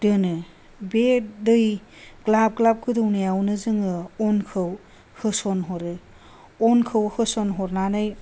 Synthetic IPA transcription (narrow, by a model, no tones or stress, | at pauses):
dɯnɯ | bedɯj | klab̚klab̚kɯdɯwnajawnɯzɯŋɯɔnkʰɯw | hɯsɔnɦɔɾɯ | ɔnkʰɯwhɯsɔnɦɔɾnanɯj